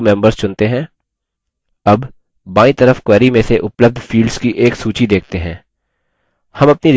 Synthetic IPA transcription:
mɛ̃ːmbəɾz̥t͡ʃʊ̃nt̪eɦɛ̃ː | ɐbː | aːĩt̪ɐɾəfkwɛːɾimẽseʔʊpləb̚d̪ʱfiːlɖz̥kiʔeːksuːt͡ʃid̪eːkʰt̪eɦɛ̃ː | hɐmɐpniɾ

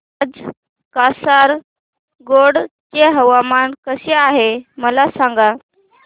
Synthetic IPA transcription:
ad͡z | kasaɾ | ɡoɽt͡ɕeɦəʋamankəseaɦeməlasãŋɡa

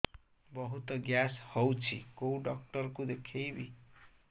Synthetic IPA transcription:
bɔɦut̪ɔɡjashɔwt͡ʃʰiɡowɖɔk̚ʈɔɾkud̪ekʰejbi

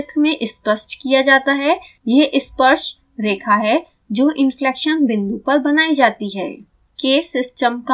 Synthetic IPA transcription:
t̪ʰmẽʔɪspəʃʈkijad͡ʒaːt̪aɦɛ | jeɦʔɪspəɾʃ | ɾeːkʰaɦɛ | d͡ʒoːʔɪ̃nflɛːkʃənbɪ̃nd̪upɐɾbɐnaːid͡ʒaːt̪iɦɛ̰ː | keːsɪsʈəmka

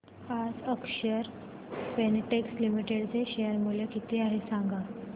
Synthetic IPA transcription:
ad͡zəkʂəɾ | peneʈekslimiʈeɽt͡seɕejəɾmuljəkit̪iːaɦesãŋɡa

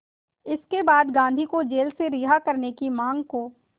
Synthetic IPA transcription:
ɪskebaːd̪ɡãːnd̪ʱikod͡ʒeːlseɾɪɦakɐɾnekimãːŋɡkoː

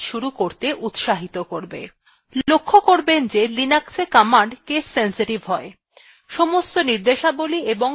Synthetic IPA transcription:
ʃuɾukoɾt̪eʔut̪ʃaɦit̪okoɾbḛ | lokʰːokoɾbend͡ʑelinaksekɔmaɳɖkesːensiʈibʱɦɔe | ʃɔmost̪oniɾd̪eʃabolieboŋ

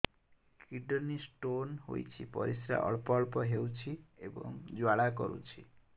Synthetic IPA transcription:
kiɖɔnisʈonɦo̰jt͡ʃʰipɔɾisɾa̰ʔɔ̰ɭpɔɭpɔɦewt͡ʃʰiebɔ̰ŋd͡ʒwaɭakɔɾṵt͡ʃʰi

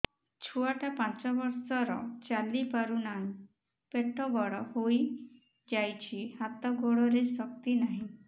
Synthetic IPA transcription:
t͡ʃʰuaʈapãnt͡ʃɔbɔɾsɔɾɔ̰t͡ʃalipaɾunaɦĩ | peʈɔɡɔɽɔhoj | d͡ʒajt͡ʃʰihat̪ɔɡoɽɔɾesɔk̚t̪inaɦĩ

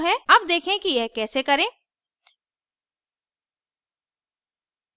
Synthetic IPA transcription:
ɦɛ̃ːɐb̚d̪eːkʰẽkijɛɦkɛːsekɐɾẽː

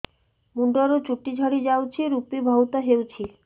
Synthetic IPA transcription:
muɳɖaɾot͡ɕuʈːid͡ʑʱɔɽid͡ʑawt͡ɕʰiɾupibʱɔwt̪aɦewt͡ɕʰi

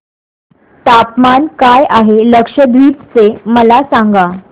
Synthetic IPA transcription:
t̪apmankajʔaɦeləkʂəd̪ʋiːp̪t͡seməlasaŋɡa

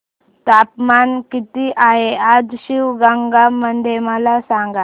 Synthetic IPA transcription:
t̪apmankit̪iʔaɦead͡zɕiwɡaŋɡamənd̪eməlasaŋɡa

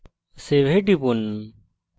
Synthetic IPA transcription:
seʋeɖipun

